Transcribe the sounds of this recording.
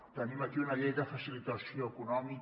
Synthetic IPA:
t̪animakiunaʎejd̪afasilit̪asjoekunɔmi

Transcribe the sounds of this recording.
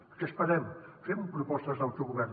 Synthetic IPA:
pɾkɛspɐɾɛmfemupɾupɔst̪ɐzðawt̪uwɣuβɛɾn

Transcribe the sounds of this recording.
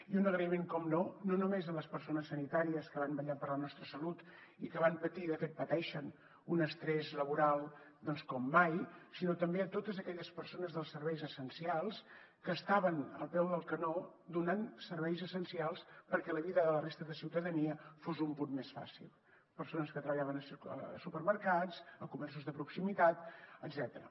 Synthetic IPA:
iunəɣɾəimeŋkɔmnononumezələspəɾsonəsːənit̪aɾiəskəβambəʎapəɾlənɔst̪ɾəsəlut̪ikəβ̞ampət̪iðəfet̪̚pət̪ɛʃən | unəst̪ɾɛzləβuɾalˠd̪ɔnskɔmːajsinot̪əmbeət̪ot̪əzəkɛʎəspəɾsonəzðəlˠsəɾβɛjzəsənsialˠs | kəːst̪aβənə̰lˠpɛwðəlˠkənod̪unansəɾβɛjzəsənsialˠspəɾkɛləβiðəðələrest̪əðəsiwt̪əðəniəfozumpunmesfa̰sḭlˠ | pəɾsonəskət̪ɾəβʎaβənəsə̰supəɾməɾkad͡zəkumɛrsuzðəpɾuksimit̪at̪əɡzɛt̪əɾə̰

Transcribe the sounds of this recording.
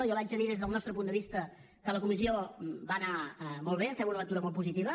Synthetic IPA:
jɔβad͡ʒəðiðezðəlˠnɔst̪ɾəpund̪əβist̪ə | kələkumiziobanamɔlˠβ̞efɛwunələt̪uɾəmɔlˠtpuzit̪iβə

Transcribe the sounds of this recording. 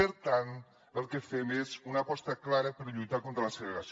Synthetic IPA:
əɾt̪an | əlˠkəfemezunəpɔst̪əklaɾəpəɾʎujt̪akont̪ɾələsəɣɾeɾɐs

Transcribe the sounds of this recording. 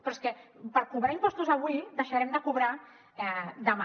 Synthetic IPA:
pɾɔskɛpəɾkuβɾaimpɔst̪uzəβwid̪əʃaɾɛmd̪əkuβɾa | ɛd̪əma

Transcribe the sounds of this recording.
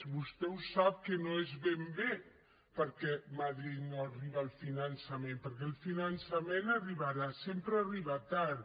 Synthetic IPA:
βust̪ɛusap̚kənoezβembe | pəɾkɛmaðɾit̪noariβaːlˠfinansɐmẽmpəɾk̬ɛlˠfinansɐmenariβaɾasempɾəariβat̪aɾ

